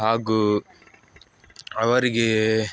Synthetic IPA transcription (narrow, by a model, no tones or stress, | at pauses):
ɦaːɡu | ɐʋɐɾiɡe